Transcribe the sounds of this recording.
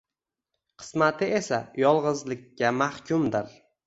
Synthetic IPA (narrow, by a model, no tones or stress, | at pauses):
qʰɨ̥smat̪ʰɪesajɒlˠʁɨzlɪkʲːamahkʲʰʊmd̪ɪɾ